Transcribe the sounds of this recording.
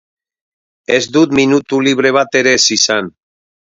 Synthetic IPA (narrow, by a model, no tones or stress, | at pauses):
ezd̪ut̪minut̪uliβɾeβ̞at̪eɾesisan